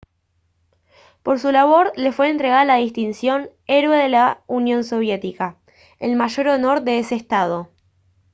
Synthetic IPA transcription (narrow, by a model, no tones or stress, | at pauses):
po̞ɾsulaβo̞ɾle̞fwe̞ːnt̪ɾeɣaðalaðist̪insjo̞ne̞ɾwe̞ðelaunjo̞nso̞β̞je̞t̪ika | elmaʒo̞ɾo̞no̞ɾðeeseːst̪að̞o̞